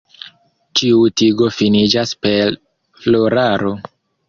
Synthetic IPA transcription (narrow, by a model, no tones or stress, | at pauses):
t͡ʃiutiɡo̞finid͡ʒaspe̞ɾ | flo̞ɾaɾo̞